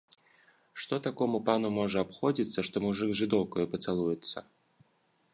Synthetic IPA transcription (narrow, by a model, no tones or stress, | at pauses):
ʂt̪ot̪akomʊpanʊmɔʐɛapxodʲit̪sːəʂt̪ɔmʊʐɨɡzʐɨd̪ɔwkəjʊpət̪sɨlˠujʊt̪sːə̰